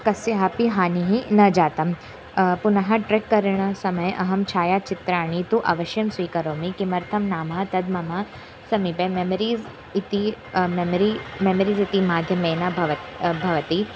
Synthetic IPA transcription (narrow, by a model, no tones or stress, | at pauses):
kɐsjɐɦapiɦaːniɦinɐd͡ʒaːt̪ɐm | punɐɦɐʈɾekːɐɾɳ̃ɐsɐmɐjʔɐɦɐmt͡ʃʰaːjat͡ʃɪt̪ɾaːɳ̃it̪uʔa̰ʋɐʃjɐmsʋiːkɐɾoːmikimɐɾt̪ʰɐmnaːmat̪ɐd̪mɐmaː | sɐmipememɐɾiːz | it̪i | memɾimemɐɾiːzit̪imaːɡʱjɐmeːnabʱɐʋɐbʱɐʋɐt̪i